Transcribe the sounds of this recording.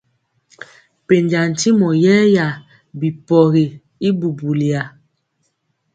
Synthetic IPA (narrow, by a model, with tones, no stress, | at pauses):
pe˨ɲd͡ʒa˨n̩˨ti˦mɔ˨jɛ˦ja˨ | bi˨pɔ˨ɾi˨ | i˦bu˨bu˨li˨a˨